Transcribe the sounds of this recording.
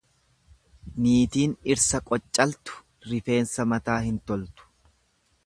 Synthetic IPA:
niːt̪iːnɪɾsɐkʼɔt͡ʃʼːɐlt̪ʊ̥ | ɾɪfe̞ːnsɐmɐt̪aːhɪnt̪ɔlt̪ʊ̥

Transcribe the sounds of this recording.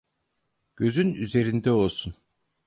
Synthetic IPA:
ɟ̥ø̞zynyze̞ɾind̪ɛo̞lˠsun

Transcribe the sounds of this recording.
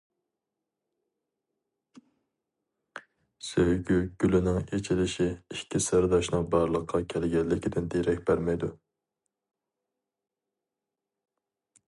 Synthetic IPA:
sejɡʲyɡ̥ʲylɪnɪŋet͡ʃʰilɪʃiiʃkʲʰisæɾd̪ɑʃnɨŋbɑɾlˠəqʰːɑkʲʰɛlɪɡʲɛlːɪkʲid̪ɪnd̪eɾɛk̚ʲbæɾmɛjd̪u

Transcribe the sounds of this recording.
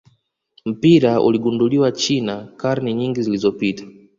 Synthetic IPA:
m̩piɾaʔṵliɠunduliwat͡ʃinakaɾniɲiŋɡizilizɔpitḁ

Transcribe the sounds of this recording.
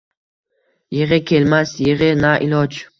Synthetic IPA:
jɪʁɨkʲʰelmasjɪʁɪnaʔilɒd͡ʒ

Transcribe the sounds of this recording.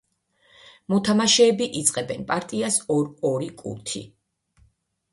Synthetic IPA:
mɔt̪ʰamaʃɛːbiʔit̪sʼqʼɛbɛnpʼaɾt̪ʼiasɔɾɔɾikʼṵt̪ʰḭ

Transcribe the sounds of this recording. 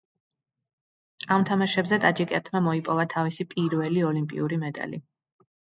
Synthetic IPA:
amt̪ʰamaʃɛbzɛt̪ʼad͡ʒikʼɛɾt̪ʰmamɔipʼɔvat̪ʰavisipʼiɾvɛliɔlimpʼḭuɾimɛd̪a̰lḭ

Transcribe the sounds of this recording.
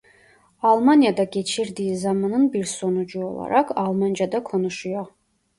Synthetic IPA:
ɑlˠmanijad̪aɡʲɛt͡ʃʰiɾd̪iizɑmanɯnbiɾsɔnud͡ʒuɔ̰lˠɑ̰ɾɑkɑlˠmand͡ʒad̪akʰɔnuʃuja

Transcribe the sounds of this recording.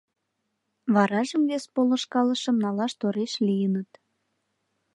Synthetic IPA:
βɑɾɑʒəmβespolə̆ʃkɑlə̆ʃə̆mnɑlɑʃt̪oɾeʃlijənət̪

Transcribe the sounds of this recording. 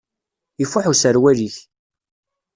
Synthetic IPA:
ifʊħusəɾwæliç

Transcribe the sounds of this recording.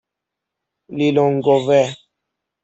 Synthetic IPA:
lilɔ̃ŋɡɔvɛ

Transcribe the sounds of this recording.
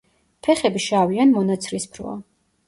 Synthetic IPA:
pʰɛχɛbiʃavianmɔnat̪sʰɾispʰɾɔ̰a̰

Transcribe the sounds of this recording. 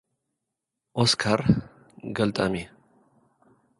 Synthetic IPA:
ʔɔskʰɐɾ | ɡɐlt̪ʼɐme

